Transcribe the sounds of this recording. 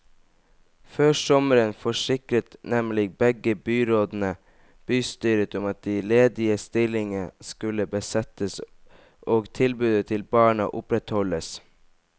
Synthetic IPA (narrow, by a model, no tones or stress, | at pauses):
føːsɔməɾənfɔʂɪkɾət̪nɛmlɪbɛɡəbyːɾoːd̪n̩ə | b̥yːst̪yːɾət̪ʊmɑt̪̚d̪ileːd̪ɪəst̪ɪlɪŋəskʉləbəsɛt̪əs | ʔoːɡt̪ʰɪlbʉːd̪ət̪ʰɪlbɑːɳɑ̰ʔʊpɾɛt̪hɔləs